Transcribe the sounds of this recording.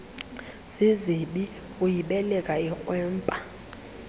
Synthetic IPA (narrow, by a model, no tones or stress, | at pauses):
z̥iziɓi | ujiɓɛlɛkʼaik͡xʼwɛːmpʼa